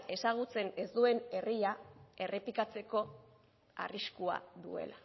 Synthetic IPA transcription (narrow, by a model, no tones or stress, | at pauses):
e̞saɣ̞ut͡se̞ne̞zd̪ue̞ne̞riae̞re̞pikat͡se̞ko̞ | a̰riskua̰ðṵe̞̰la